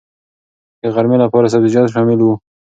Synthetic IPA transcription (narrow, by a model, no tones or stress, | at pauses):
d̪̥əɣaɾmelapɑɾas̬abzid͡ʒɑt̪ʃɑmɪlwu